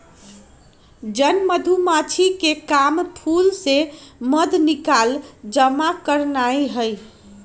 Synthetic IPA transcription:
d͡ʒənməd̪ʱumat͡ʃʰikekampʰulseməd̪ʱnikald͡ʒəmakəɾnaeɦəj

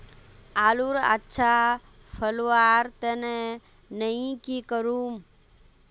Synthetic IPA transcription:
aːluɾa̰tːʃʰa | pʰəlʋaːɾt̪əne | nəĩkikəɾuːm

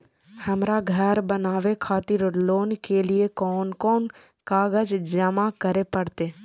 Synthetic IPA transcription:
həmɾaɡʱəɾbənaːʋekʰaːt̪ɪɾloːnkeliekɔːnkɔːn | kaːɡəd͡ʒd͡ʒəmakəɾepəɽt̪eː

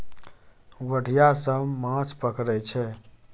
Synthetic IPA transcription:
wəɽ̤ʱijasəmmãt͡ʃʰpəkɾɛt͡ʃʰɛ

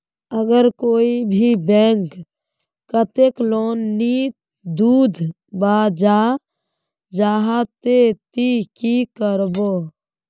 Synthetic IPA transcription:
əɡəɾkoːibʱibɛ̃ːŋk | kət̪ekloːnːi | d̪uːd̪ʱ | baːd͡ʒaː | d͡ʒaːɦat̪et̪ikikəɾboː

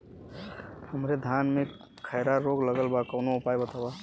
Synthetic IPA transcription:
həmɾed̪ʱaːnmẽ | kʰəɪɾaɾoːɡləɡəlbakəʊnoʊpaːjbət̪aba

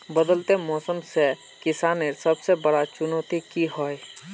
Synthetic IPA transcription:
bəd̪əlt̪emɔːsəmse | kɪsaːnesəbsebəɽat͡ʃʊnoːt̪ikiɦoe

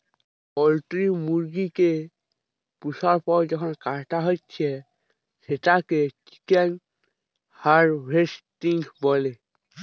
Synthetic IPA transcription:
ɔltɹimuɹɡike | pusaɹpɔɹzɔkʰɔnkaɹtaɦojtːsʰɛ | setakeki̥kɛn | haɹɹestiŋɡbɔle

